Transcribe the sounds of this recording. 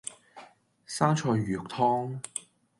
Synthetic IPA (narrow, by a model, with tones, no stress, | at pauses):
saː˥nt͡ʃʰɔː˧jːyː˨˩k̚t̪ʰɔː˥ŋ